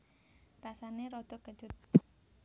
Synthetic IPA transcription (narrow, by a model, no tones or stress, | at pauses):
rasaneɾɔd̪̥ɔ̤kə̥d͡ʒʊt̪̚